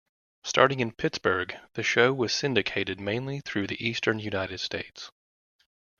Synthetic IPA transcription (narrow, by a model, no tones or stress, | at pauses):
stʰɑ̰ɹɾɪ̃ŋɨ̃npʰɪtsb̥ə˞ɡðɨʃoʊwʌz̥sɪ̃ndɨkʰeɪɾɨd̚mẽɪ̃nliθɹʉðiʔistə̃˞njʉnaɪɾɨd̥steɪts